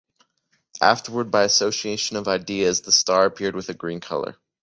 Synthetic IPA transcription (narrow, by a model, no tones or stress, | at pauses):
ʔæ̰ftə˞wə˞d̚baɪɨsoʊsieɪʃɨ̃nʌvaɪdiɨzðəstɑɹɨpʰɪɹd̚wɨðɨɡɹĩnkʰʌ̰lˠə̰˞